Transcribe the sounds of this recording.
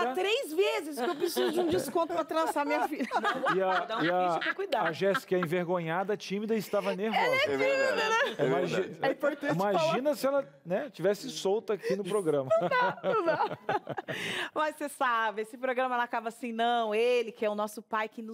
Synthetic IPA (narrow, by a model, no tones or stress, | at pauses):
at̪ɾejzvezɪskewpɾesizʊd͡ʒɪũd͡ʒɪskõnt̪ʊ̥pɾɐt̪ɾɐ̃samĩɲɐfilʲɐiaɐ̃ɪɐ̃kɐkujd̪aaʒɛsɪ̥kɪɛẽveɾɡõɲad̪ɐt͡ʃĩmid̪ɐɪst̪avɐneɾoɛimiɐnɛmaʒĩɛpoɾẽimaʒĩnɐsɪɛlɐ | nɛt͡ʃivɛsɪsowt̪ɐakinʊpɾoɡɾɐ̃mɐa | mɐssesabɪesɪpɾoɡɾɐ̃mɐɛlɐakabɐasĩnɐ̃w̃elɪkɪɛʊnɔsʊpajkɪnʊ